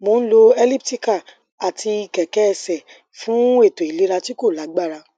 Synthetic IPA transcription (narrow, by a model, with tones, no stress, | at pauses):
mo˨˦n̩˦lo˧ɛ˧li˦pti˦ka˦˨ | a˨tʰi˧i˨kɛ˨kɛ˦ɛ˧˨sɛ˨ | fũ˦e˦˨to˨i˨le˨˦ɾa˧ti˦ko˦˨la˨˦ɡ͡ba˦˨ɾa˧